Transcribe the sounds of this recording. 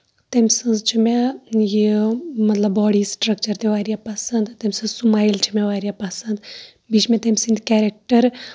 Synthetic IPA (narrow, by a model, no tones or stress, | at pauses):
t̪ɐmʲsɨ̃nzt͡ʃʰimʲajimɐt̪lɐbːɔːɽiːsʈɾɐk̚t͡ʃɐɾt̪eʋaːɾijapɐsɐnd̪t̪ɐmʲsɨ̃nzsumaːjlt͡ʃʰimʲãʋaːɾjapɐsɐnd̪ | biːt͡ʃʰmɛ̃t̪ɐmʲsĩnd̪kɛːɾek̚ʈəɾ